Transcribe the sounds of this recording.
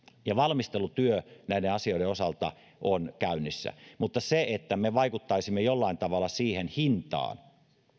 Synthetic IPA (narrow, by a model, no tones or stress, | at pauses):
jɑʋɑlmist̪elut̪yønæˑieɑsioiɾeosɑlt̪ɑ̰ | ʔonkæynːisːæ̰mut̪ːɑseet̪ːæmeʋɑikut̪ːɑisimːejolːɑint̪ɑʋɑlːˑɑsiːhenhint̪ɑ̰ːn